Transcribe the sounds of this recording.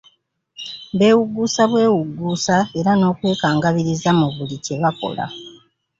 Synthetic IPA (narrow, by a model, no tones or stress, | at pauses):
βe̞ːwuɡːuːsaβwe̞ːwuɡːuːsae̞ɾano̞ːkwe̞ːkaːŋɡaβiɾizamuβulice̞βako̞̰la̰